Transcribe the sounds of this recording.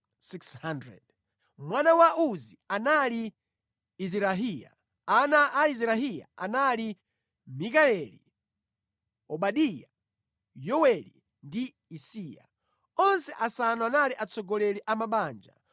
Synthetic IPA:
sikshandɾɛ̰d̚ | mwanawaʔuzianali | iziɾaɦija̰ | anaʔaizɾaɦija̰a̰nali | mikaɛlḭ | ɔɓaɗija | jɔwɛlḭ | ndiː | siːja̰ | ɔnsɛʔasanɔanaliʔat͡sɔɡɔlɛliʔamaɓaːnd͡ʒa̰

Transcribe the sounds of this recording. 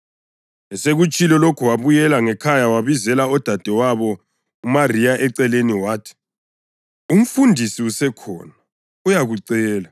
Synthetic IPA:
ɛseɣut͡ʃʼilɛlokʰuwaβujɛlaŋɛkʰajawaβizɛlaɔd̥ʱad̥ʱɛwaβɔ | umarijaʔɛǀɛleniwaːtʰi̥ | um̩fundʱisiusɛkʰɔ̰ːna | ujaɣuǀɛːla

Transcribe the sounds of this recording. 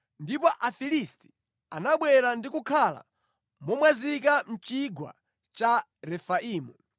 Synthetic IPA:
ndipɔʔafilisti̥ | anaɓwɛɾandikukʰala̰ | mɔmwazik̬an̩t͡ʃiɡwa̰ | t͡ʃa | ɾɛfaʔiːmu

